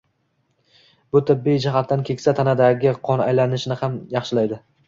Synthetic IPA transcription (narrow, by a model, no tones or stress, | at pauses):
b̥ʊt̪ʰɪbːijd͡ʒɪɦat̪ːankʲʰe̞kʲsat̪ʰanad̪aɡʲɪqʰɒna̰jlanɪʃnɪhamjɑχʃɪlajd̪ɪ